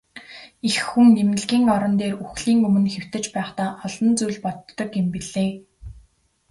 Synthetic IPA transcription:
ixːuŋnemnɘ̆ɮɡʲiːŋɔɾɞ̆nt̪eːruxɮiːŋɵmɵ̆nxew̥t̪ɘ̆t͡ɕpæːχt̪aːχɔɮɞ̆nt͡sujɮpɔt̪ːɞ̆kempiɮeː

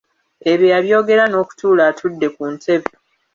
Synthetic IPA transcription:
e̞βjojaβjo̞ːɡe̞ɾano̞ːku̥tʰuːlaːtʰudːe̞kuːnte̞βi

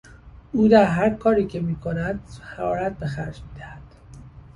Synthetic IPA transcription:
uːd̪æɾɦæɾkʰɒːɾiːcʰe̞miːkʰonæd̪̥̚hæɾɒːɾæt̪̚be̞xæɾd͡ʒmiːd̪æhæd̪̥

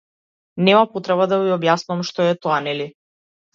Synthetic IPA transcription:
nɛmapɔt̪ɾɛβad̪aviɔbjasnuamʃt̪ɔɛt̪ɔanɛli

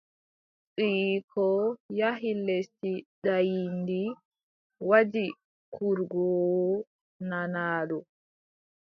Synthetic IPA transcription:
t͡sʼikʰɔjaɦilestiɗajindi | wad͡ʒi | kʰuɾɡɔ | nanaːɗɔ

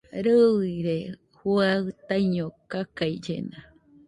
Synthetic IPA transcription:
ɾɨiiɾe | huat̪ajɲokakaid͡ʒḛna

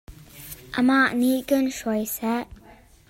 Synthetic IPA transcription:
ʔəmaʔniʔkənʂɔjsɛʔ

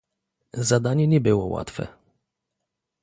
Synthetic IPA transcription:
zad̪aɲɛɲɛbɘwɔwa̰t̪fɛ̰

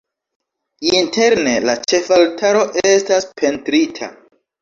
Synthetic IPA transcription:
intʰe̞ɾne̞lat͡ʃe̞faltʰaɾo̞ʔestaspʰe̞ntɾitʰa̰

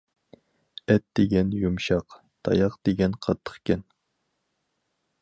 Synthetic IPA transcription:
ɛt̪d̪eɡʲɛnjumʃɑq | t̪ʰɑ̰jɑqd̪̥eɡʲɛnqʰɑt̪ʰːə̥χkʲɛn

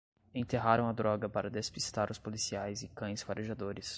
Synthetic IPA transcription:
ẽt̪eɦaɾɐ̃w̃ɐd̪ɾɔɡɐpaɾɐd̪espist̪aɾʊspolisiajzɪkɐ̃j̃sfaɾʔeʒad̪oɾɪs

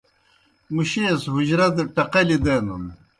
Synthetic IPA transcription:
muɕeːsɦuʑɾɐd̪ʈɐqɐlid̪enum

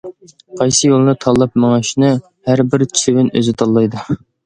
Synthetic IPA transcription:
qʰɑjsɨjolˠnɨt̪ʰɑlˠːɑpmɑŋɑʃnɨ | hæɾbɪɾt͡ʃʰsʰywɪnø̰zɪt̪ʰɑlˠːɑjd̪u

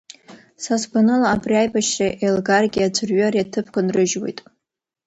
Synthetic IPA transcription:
sasɡʷanɨlaːbriajbaʃraʔelɡarɡʲiad͡ʒʷʰɨrɥarjatʰɨpʰkʷanrɨʒwḛjtʼ

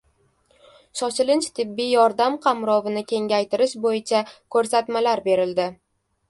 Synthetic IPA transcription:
ʃɒt͡ʃɪlɪnt͡ʃt̪ʰɪbːɪjɒɾd̪amqʰɑmɾɒvɪnɪkʲʰe̞ŋʲajt̪ʰɪɾɪʃbojɪt͡ʃʰakʰɵɾsat̪malaɾbe̞ɾɪld̪ɪ

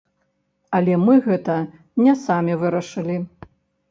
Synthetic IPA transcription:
ɐlʲɛmɨɣɛt̪ɐ | nʲɛsamʲivɨɾɐʂɨlʲi

